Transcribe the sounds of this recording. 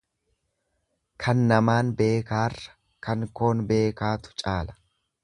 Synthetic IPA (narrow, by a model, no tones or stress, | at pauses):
kʰɐnːɐmaːnbe̞ːkaːrːɐ̥ | kɐŋko̞ːnbe̞ːkaːt̪ʊ̥t͡ʃʼaːlɐ̥